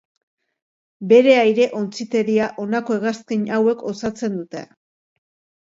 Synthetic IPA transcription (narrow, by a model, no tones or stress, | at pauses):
be̞ɾe̞ajɾe̞ʔo̞nt͡sit̪e̞ɾiaʔo̞nako̞eɣaskiɲawe̞kʰo̞sat͡se̞nd̪ut̪e̞̰